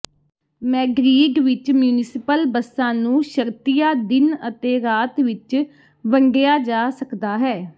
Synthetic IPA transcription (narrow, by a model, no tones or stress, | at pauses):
mɛ̃ːɡɾiːɖʋɪt͡ʃmjuːnɪsɪpəlbəsãːnũːʃəɾt̪ijaːd̪ɪnət̪eːɾaːt̪ʋɪt͡ʃ | ʋəŋɡejaːd͡ʒaːsəkd̪aːɦɛː